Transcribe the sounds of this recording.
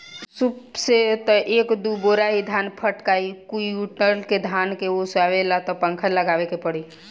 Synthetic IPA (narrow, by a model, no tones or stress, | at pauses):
supset̪ɔʔeːkd̪uboɾaɦid̪ʱaːnpʰəʈkaːikuiuʈnəɾlked̪ʱaːnkeosaʋelat̪ɔpə̃ŋkʰəɾləɡaːʋekepəɽi